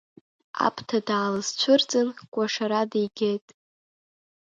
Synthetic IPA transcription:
a̰pʰtʰadaːlɨzt͡ɕʷʰʊrt͡sʼɨnkʷʼaʂaɾadijɡʲejtʼ

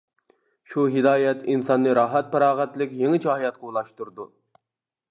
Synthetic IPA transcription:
ʃuɦɪd̪ɑːjɛt̪ʰinsɑnːɨɾɑːɦɛt̪̚pɑɾɑːʁɛt̪lɪkʲjeŋɪt͡ʃʰɑhɑjɑt̪̚qʰəulˠɑʃt̪uɾd̪u

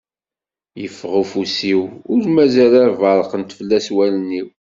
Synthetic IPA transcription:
jəfːʁufusiwʊɾmæzælæɾvəɾˤəqənt̪fəlːæswælniw

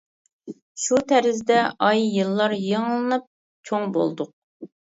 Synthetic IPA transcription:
ʃut̪ʰæɾɪzd̪ɛɑjːɨlˠːɑɾjɨŋlˠɨnɨp̚ | t͡ʃʰoŋbo̰lˠd̪ʊq̚

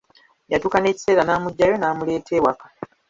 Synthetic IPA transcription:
jatukane̞ːci̥se̞ːɾanaːmuɟːajo̞naːmule̞ːtʰe̞ːwakḁ

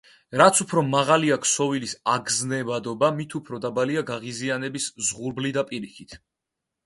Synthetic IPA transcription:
ɾat̪sʰupʰɾɔmaʁaliakʰsɔvilisaɡznɛbad̪ɔbamit̪ʰupʰɾɔd̪abaliaɡaʁizianɛbiszʁuɾblid̪apʼiɾikʰit̪ʰ

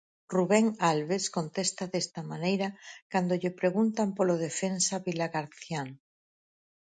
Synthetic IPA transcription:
ruβeŋalβeskont̪est̪aðest̪amanejɾakand̪oʎɪpɾeɣunt̪ampoloð̞efensaβilaɣaɾθjan

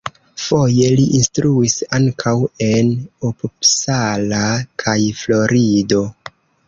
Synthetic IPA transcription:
fo̞je̞liʔinstɾuisaŋkʰawe̞nopupsalakʰajflo̞ɾido̞

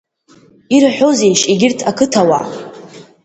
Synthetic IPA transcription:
iɾħʷᶣozejʃiɡʲɪrtʰakʰɨtʰawa

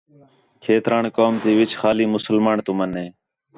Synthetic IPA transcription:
kʰeːt̪ɾaːɳkoːmt̪iːʋɪt͡ʃʰxaːliːmʊsəlmaːɳt̪ʊməneː

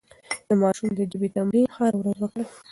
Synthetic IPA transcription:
d̪̥əmɑʃumd̪əd͡ʒɪbit̪amɾinxɑɾwɾazwəkɽə

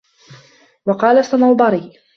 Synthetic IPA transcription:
wɑqɑːlasɑmɑwd̪ˤɑɾiː

